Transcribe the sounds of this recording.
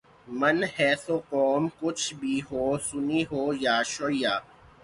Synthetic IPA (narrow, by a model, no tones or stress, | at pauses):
mɐnɦɛːsoːqɔːmkʊt͡ʃʰbʱiɦoːsʊniɦoːjaːʃoːijaː